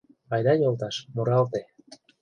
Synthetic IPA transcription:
ɑjd̪ɑjolˠt̪ɑʃmoɾɑlt̪e

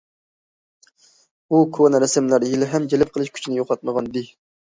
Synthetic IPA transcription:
ukʰonɾɛsɪmlæɾjelɪɦɛmd͡ʒelɪp̚qʰəlˠɨʃkʲʰy̥t͡ʃʰinɪjoqɑt̪̚məʁɑnd̪ɪ

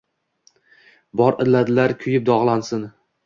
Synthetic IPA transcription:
bɒɾɪɾlad̪ɪlaɾkʲʰʊjɪp̚d̪ɒʁlˠansɪn

